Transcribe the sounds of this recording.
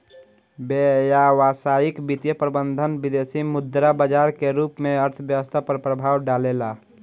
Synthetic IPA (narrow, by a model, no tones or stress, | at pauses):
bejaʋasaikbit̪jəpɾəbənd̪ʱənbid̪esimʊd̪ɾabəd͡ʒaɾkeɾuːpmẽəɾt̪ʰəbjəwəst̪ʰapɾəpɾəbʱaːwɖalela